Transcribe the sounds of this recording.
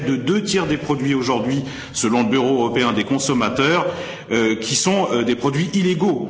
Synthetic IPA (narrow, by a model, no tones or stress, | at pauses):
d̪əd̪øt̪jɛʁd̪epχɔd̪ɥioʒuʁd̪ɥi | səlɔ̃ləbyʁoøʁɔpeɛ̃d̪ekɔ̃sɔmat̪œːʁ | økʲʰisɔ̃d̪epχɔd̪ɥiʔileɡo